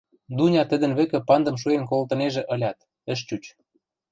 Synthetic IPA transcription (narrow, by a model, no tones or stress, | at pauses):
d̪unʲɑt̪ə̆d̪ə̆nβɘ̆kĕpɑnd̪ɤ̆mʃuenkolt̪ɤ̆neʒĕʔɤ̆lʲɑt̪ | ə̆ʃ̬t͡ɕut͡ɕ